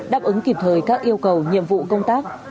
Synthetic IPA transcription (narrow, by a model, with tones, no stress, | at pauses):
ɗaː˦˥p̚ʔɨ˨˦ŋki˨˩p̚t̪ʰəː˨˩jkaː˦˥k̚ʔi˧əwkə˨˩wɲḭ˧˨əmvṵ˧˨kə˧wŋ͡mt̪aː˦˥k̚